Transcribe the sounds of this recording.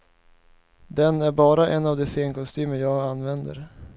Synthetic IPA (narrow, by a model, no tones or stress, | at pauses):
d̪ɛnæɾbɑːɾaʔɛnːavd̪ɛseːnkʰɔnst̪yːməjɑːɡanːvɛnd̪ə̰ɾ